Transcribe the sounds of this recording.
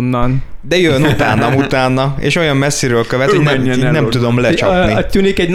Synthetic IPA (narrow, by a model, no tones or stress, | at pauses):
nːɒnd̪ɛjønut̪aːnːɒmut̪aːnːɒḛːʃo̞jɒmːɛsːiɾøːlkøvɛt̪honɛnɛmt̪ud̪o̞mlɛt͡ʃɒpniɒt̪ynikɛɟn